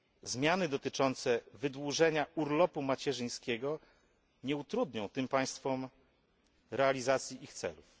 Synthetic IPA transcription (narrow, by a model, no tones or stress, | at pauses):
zmʲjanɘd̪ɔt̪ɘt͡ʂɔnt̪sɛvɘd̪wuʐɛɲaʔuɾlɔpumat͡ɕɛʐɘj̃skʲɛɡɔ | ɲɛut̪ɾud̪ɲɔ̃w̃t̪ɘmpaj̃st̪fɔm | ɾɛalʲizat̪sʲjiʔixt̪sɛ̰luf